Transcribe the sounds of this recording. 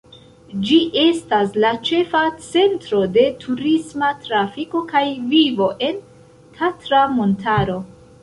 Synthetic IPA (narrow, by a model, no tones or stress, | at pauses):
d͡ʒiʔe̞staslat͡ʃe̞fat͡se̞ntɾo̞de̞tʰuɾismatɾafiko̞kajvivo̞ʔe̞n | tʰatɾamo̞ntʰaɾo̞